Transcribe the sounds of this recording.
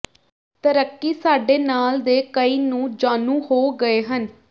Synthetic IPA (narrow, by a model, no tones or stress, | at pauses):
t̪əɾəkːiːsaːɖeːnaːld̪eːkəiːnũːd͡ʒaːnũːhoːɡəeːɦən